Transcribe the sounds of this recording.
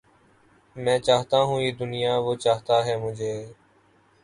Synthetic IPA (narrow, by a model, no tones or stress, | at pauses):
mɛ̃ːt͡ʃaːɦt̪aːɦũːeːd̪ʊnɪjaːʋoːt͡ʃaːɦt̪aːɦɛːmʊd͡ʒʱeː